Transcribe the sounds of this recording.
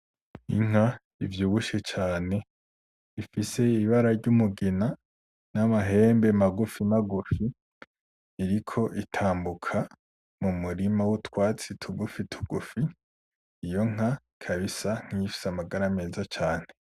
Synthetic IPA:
ḭŋ̥a | ivjuːβuʃe̞t͡ʃaːne̞ | ifise̞iβaɾaɾɟumuɡina | namaɦe̞ːmbe̞maɡufimaɡufi | ɾikʰo̞ʔitʰaːmbukʰa | mumuɾimawutwaːt͡sitʰuɡufitʰu̥ɡ̥ufiː | jo̞ŋ̥a | kʰaβisaŋ̥iifi̥samaɡaɾame̞ːzat͡ʃaːn̥e̞

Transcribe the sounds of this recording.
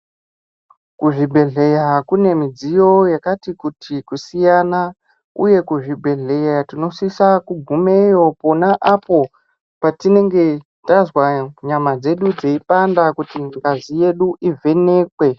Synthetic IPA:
kuʐibʱe̞ɮe̞jakune̞mid͡zijo̞jakatikutʰikusijana | uje̞kuʐibʱe̞ɮe̞jatino̞sisakuɡʱume̞jo̞po̞naʔapo̞ | patine̞ŋɡe̞ | ttazwaɲamad͡ze̞ɗud͡zeipandakutiŋɡazije̞ɗuʔivʱe̞ne̞ːkwe̞

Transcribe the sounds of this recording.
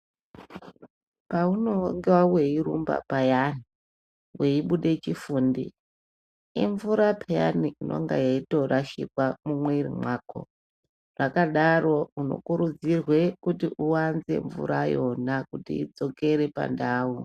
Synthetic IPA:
pauno̞ŋɡewawe̞iɾumba̰pajani | we̞iɓuɗe̞t͡ʃifuːndi | iɱvuɾapʰaja̰niinʔo̞̰ŋɡa̰jaito̞rʔaʃḭkwamumweirḭmwaːko̞̰ | rakaɗaro̞uno̞̰kuɾud͡zirwe̞kutiʔuwanze̞̰ɱvṵɾajo̞nakutḭːd͡zo̞ke̞ɾe̞pa̰ndaːu

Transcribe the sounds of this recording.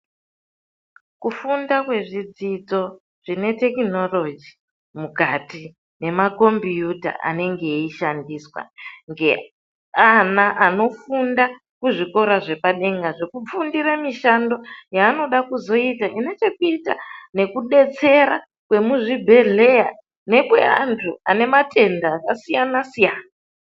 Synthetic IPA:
kufundakwe̞ʐid͡zid͡zo̞ | ʐ̥ine̞te̞kino̞lo̞d͡ʒi | mukati | ne̞mako̞mbjuta̰ʔa̰ne̞ŋɡe̞iʃandiːswa̰ŋɡe̞ | anaʔano̞funda | kuʐiko̞ɾaʐe̞paɗe̞ŋɡaʐe̞kup͡fundiɾamiʃando̞jaːno̞ɗakuzo̞itaʔine̞t͡ʃe̞kuita̰ne̞kuɗe̞t͡se̞ɾa | kwe̞muʐibʱe̞ɮe̞ja | ne̞kwe̞̰a̰ntʰua̰ne̞matʰe̞ndaːkasijanasijaːna

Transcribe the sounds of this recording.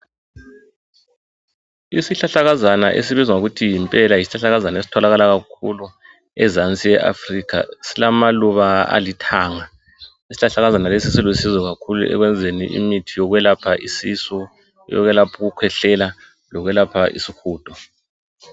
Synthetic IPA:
isiɬaɬaɣazana̰ʔḛsiβizwauɣutʰijimpʼɛlajisi̥ɬaɬaɣazanaesi̥tʰɔlaɣalaɣakʰulu | ɛ̰zant͡sʼijɛʔa̰frikʰa̰silamaluβaa̰litʰaːŋa | isiɬaɬaɣazanalesisilwusizɔɣakʰulṵʔɛ̰ɣwɛnd͡zʱenḭʔḭmitʰijɔɣwɛlapʰaʔisisɔ | jɔ̰ɣwɛlapʰuɣukʰwɛɬɛla | lɔɣwɛlapʰaʔḭsixuːd̥ʱɔ

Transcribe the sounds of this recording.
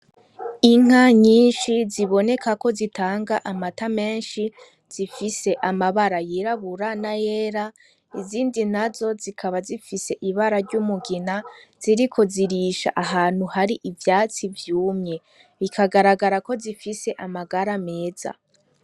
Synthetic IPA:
iŋ̥aɲiːnʃiziβo̞ne̞kako̞zitʰaːŋɡaʔamatame̞ːnʃi | z̥ifise̞ʔamaβaɾajiɾaβuɾanajeːɾa | iziːndin̥azo̞zikʰaβazifise̞ʔiβaɾaɾɟumuɡinaz̥iɾikʰo̞ziɾiːʃa̰ʔaɦaːn̥huhaɾiʔivjaːt͡sivjuːmɲe̞ | βikʰaɡaɾaɡaɾako̞zifise̞ʔamaɡaɾame̞ːz̥a̰

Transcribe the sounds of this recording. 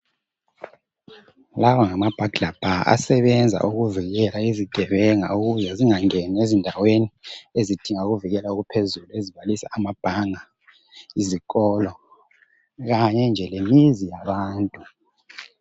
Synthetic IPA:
lawaŋamab̥ʱaɡ̥ɮlab̥ʱaa̰sɛβɛnd͡zʱa̰ʔuɣuviɣɛlaiziɡ̥ʱɛβɛŋa̰uɣuzɛziŋaŋɛniezindʱaweniezid̥ʱiŋauɣuviɣɛlauɣupʰezulueziβalisa̰ʔːmab̥ʱaŋa | izikʼɔlɔ | ɣaɲɛnd͡ʒʱɛlemizijaβaːntʼu

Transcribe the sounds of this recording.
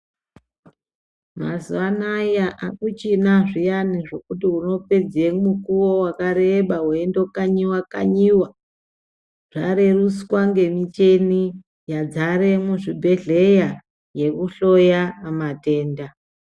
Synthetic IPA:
ma̰zuanajaʔakut͡ʃinaʐijaniʐo̞kutiɦuno̞pe̞d͡zemukuwowakaɾeɓaɦuendokaɲiwaka̰ɲiwa | ʐ̥aɾe̞ruswaŋɡe̞mit͡ʃe̞ni | jad͡zaɾe̞muʐibʱe̞ɮe̞ja | je̞kuɬo̞jamate̞ːnda

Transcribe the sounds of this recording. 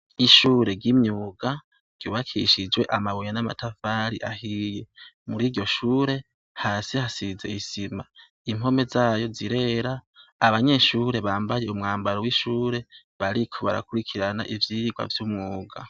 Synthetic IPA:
iʃuːɾe̞ɡimɲuːɡa | ɡ̥juːβakʰḭʃid͡ʒwe̞ʔamaβojanama̰tʰafaɾiʔahiːje̞muɾiːɾɟo̞ʃuːɾe̞ | haːsihasize̞̰isima | im̥o̞me̞zaːjo̞ziɾe̞ɾaːβaɲe̞ʃuːɾe̞βaːmbajeumŋaːmbaɾowiʃuːɾe̞ | βaɾikʰo̞βa̰ɾa̰kuɾikʰiɾana̰ʔivjiiɡwa̰vjumŋuːɡa̰

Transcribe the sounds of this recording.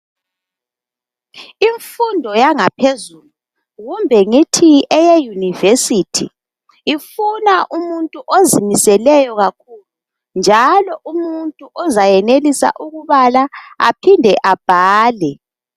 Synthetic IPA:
iɱfundʱɔjaŋapʰezulu | ɣumbʱɛŋitʰiɛjejunivesitʰḭː | funaʔumuntʼuʔozimisɛlɛjɔɣakʰulu | nd͡ʒʱalɔʔumuntʼuʔɔzajɛnelisa̰ʔuɣuβalaa̰pʰindʱɛʔab̥ʱaːlɛ

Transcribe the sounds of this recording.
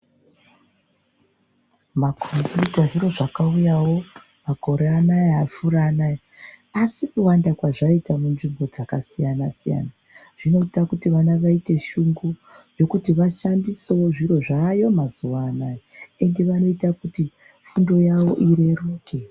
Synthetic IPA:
makʰombjutaʐiro̞ʐakaujawo̞ | mako̞ɾeanajeafurana | asikuwandakwaʐaitamunʐimbo̞d͡zakasijanasija̰na | ʐ̥ino̞itakutiʋanaʋaite̞ʃuŋɡuʐo̞kutiʋaʃandiseoʐiro̞ʐaːjo̞mazuwaːnaee̞nde̞ʋano̞itakuti | fundo̞jawo̞̰ʔiɾe̞ruːke̞

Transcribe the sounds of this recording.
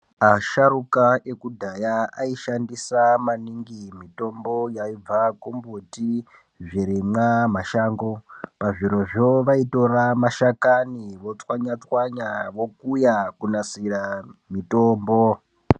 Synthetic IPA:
aʃarukaʔekudʱajaaiʃandisamaniŋɡimito̞mbo̞jaib͡vakumbuti | ʐiɾimwamaʃaːŋɡo̞paʐiɾo̞ʐoʋaito̞ramaʃakaniʋo̞t͡swaɲat͡swaɲaʋo̞kujakunasiramitoːmbo

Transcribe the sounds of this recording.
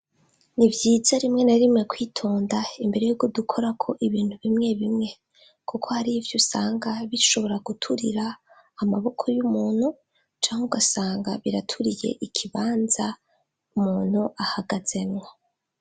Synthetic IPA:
nivjiːzaɾimŋe̞naɾimŋe̞kwiːtʰo̞ːndaimbe̞ɾe̞juɡodukʰo̞ɾakʰo̞ʔiβiːnthuβimŋe̞βimŋe̞ | kʰukʰo̞haɾivjusaːŋɡaβiɾiʃo̞βo̞ɾaɡutʰuɾiɾaː | maβo̞kʰo̞jumuːn̥hu | t͡ʃaːŋuɡasaːŋɡaβiɾatʰuɾije̞̰ʔikʰiβaːnza | umuːn̥huʔahaɡaz̥e̞nŋo

